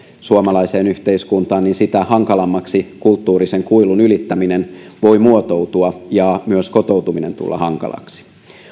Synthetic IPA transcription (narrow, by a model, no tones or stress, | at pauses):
suomɑlɑise̞ːnyht̪e̞iskunt̪ɑːnninsit̪æhɑŋkɑlɑmːɑksikult̪ːuːɾise̞ŋkuilunylit̪ːæminenʋo̞imuot̪owt̪uɑjɑmyøsko̞t̪o̞wt̪uminent̪ṵlːɑ̰hɑŋkɑ̰lɑ̰ksi̥